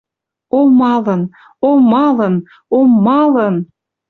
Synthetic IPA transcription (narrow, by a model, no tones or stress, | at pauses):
omɑlən | omɑlən | omːɑlən